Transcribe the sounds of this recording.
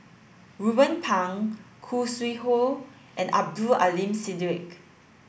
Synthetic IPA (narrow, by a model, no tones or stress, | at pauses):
ɹubə̃npʰãŋkʰuswiho | ʔɛ̃na̰b̚dua̰lĩmsidɹik